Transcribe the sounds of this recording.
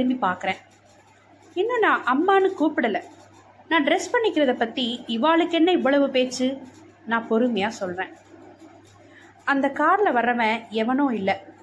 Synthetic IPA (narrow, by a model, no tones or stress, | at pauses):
ɯmbipaːɾkɯɾẽː | ɪnːɐ̃nãːʔɐmːaːnɯkuːpɪɽɐlɛ̃ | nãːɖɾɛspɐɳːɪkːɪɾɐðɐpːɐt̪ːiɪʋaːɭɯkːɛnːɐɪʋːɐɭɐʋɯpeːt͡ʃːɯ | nãːpɔɾɯmɐjaːsɔlɾẽː | ɐnd̪ɐkaːɾlɐʋɐɾɐʋɛ̃ɛʋɐnõːɪlːɐ